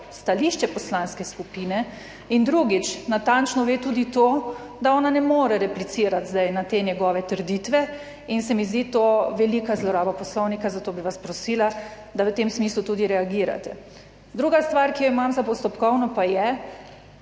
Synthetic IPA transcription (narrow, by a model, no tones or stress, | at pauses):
st̪aliːʃt͡ʃɛpɔslanskɛskupiːnɛ | ind̪ɾuɡit͡ʃnat̪ant͡ʃnɔʋeːt̪uːd̪it̪oː | d̪aɔːnanɛmoːɾɛɾɛplit̪siɾat̪zd̪ajnat̪eːnjɛɡɔːʋɛt̪əɾd̪it̪ʋɛ | insɛmizd̪iːt̪oʋɛliːkazlɔɾaːbapɔslɔwnikazat̪oːbiʋaspɾɔsiːla | d̪aʋət̪emsmiːslut̪ud̪iɾɛaɡiːɾa̰t̪ɛ | d̪ɾuːɡast̪ʋaɾkijɔimamzapɔst̪ɔpkɔwnɔpajɛ